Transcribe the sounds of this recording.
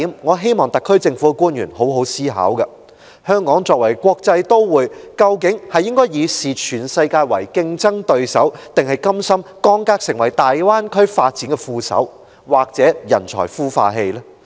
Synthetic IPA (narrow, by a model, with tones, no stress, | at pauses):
i˨˧˥mŋɔː˨˧ɦe˥jmɔː˨˩ŋt̪ɐ˨˩kʰːɵ˥ɥt͡sɪ˧ŋfu˨˥ɛ˧kuː˥njyː˨˩nho˨˥wɦo˨˥wsiː˥ɦa̰ː˨˥wkɐ˧ | hœː˥ŋkɔː˨˥ŋt͡sɔː˧k̚wɐ˨˩jkʷwʷɔː˧k̚t͡sɐ˧jt̪o˥wwuː˨˧jkɐ˧wkɪ˨˥ŋhɐ˨jɪ˥ŋkɔː˥jiː˨˧siː˨˩t͡ʃʰyː˨˩nsɐ˧jkaː˧jwɐ˨˩jkɪ˧ŋt͡sɐ˥ŋt̪ɵ˧ɥsɐ̰˨˥wt̪ɪ˨ŋhɐ˨jkɐ˥msɐ˥mkɔː˥ŋkaː˧˥k̚sɪ˨˩ŋwɐ˨˩jt̪aː˨jwaː˥nkʰɵ˥ɥfaː˧t̚t͡siː˨˥nŋkɛ˧fuː˧sɐ̰˨˥w | waː˨k̚t͡sɛː˨˥jɐ˨˩nt͡ʃʰɔ̰ː˨˩jfuː˥fa̰ː˧ɦe˧jlɛː˥